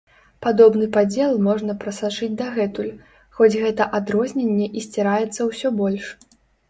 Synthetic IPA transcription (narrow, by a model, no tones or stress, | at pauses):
pad̪ɔbnɨpad͡zʲɛlˠmɔʐnɐpɾɐsat͡ʂɨd͡zʲd̪aɣɛt̪ulʲ | xɔd͡zʲɣɛt̪ɐʔad̪ɾɔzʲnʲenʲːɛʔisʲt͡sʲɛɾajɛt̪sːɐwsʲɔbɔlʲʂ